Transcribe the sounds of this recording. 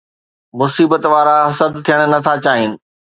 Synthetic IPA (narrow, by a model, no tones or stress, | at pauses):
mʊsiːbət̪ʋaːɾaɦɐsəd̪t̪ʰijəɽ̃ʊ̆nɐt̪ʰat͡ɕaːɦɪnɪ̆